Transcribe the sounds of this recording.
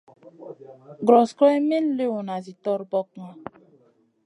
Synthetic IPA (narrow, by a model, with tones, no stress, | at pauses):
ɡɾɔ˨skɔ˦mi˦n˦le˦wu˨na˨zi˨tɔ˦ɾbɔ˦kŋa˨